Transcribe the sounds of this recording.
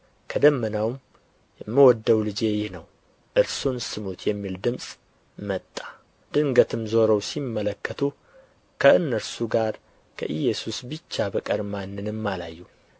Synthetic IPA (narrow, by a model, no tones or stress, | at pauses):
kʰəd̪əmːənawm | jɛmːəwɔd̪ːəwlɨd͡ʒe̞jɪhnəw | ʔɨɾsunsɨmut̪ʰjɛmːild̪ɨmsʼ | mət̪ʼːḁ | d̪̥ɨŋɡət̪ʰɨmzo̞ɾəwsimːələkːət̪ʰu | kʰəɨnːəɾsuɡaɾ | kʰə̰ʔɨjːɛsusbɨt͡ʃːabəkʼəɾmanːɨnɨmːala̰jːu